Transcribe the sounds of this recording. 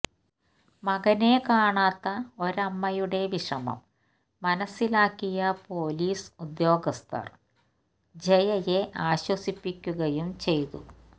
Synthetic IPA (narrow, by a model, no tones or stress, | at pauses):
mɐɣɐnekaːɳaːt̪ːɐo̞ɾɐmːɐjuɽe̞ʋiʂɐmɐ̰mː | ɐnɐsːilaːkːijɐpo̞ːliːsud̪jo̞ːɡɐst̪ʰɐ̰r | d͡ʑejɐje̞ʔaːɕwɐsipːikʲːuɣɐjumt͡ɕe̞jt̪ṵ